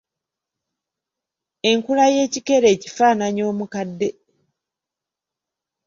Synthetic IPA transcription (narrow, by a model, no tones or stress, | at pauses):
e̞ŋkulaje̞ːcike̞ɾe̞ːci̥faːnaɲo̞ːmukadːe̞